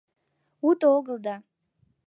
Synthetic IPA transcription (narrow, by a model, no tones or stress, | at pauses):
ut̪oɣəlˠd̪ɑ